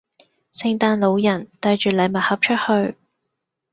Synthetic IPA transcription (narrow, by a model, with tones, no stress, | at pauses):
sɪ˧ŋt̪aː˧nlo˨˧wjɐ˨˩nt̪ɐ˧jt͡ʃyː˨˩lɐ˨˧jmɐ˨t̚hɐ˨˩p̚t͡ʃʰɵ˥t̚hɵ˧ɥ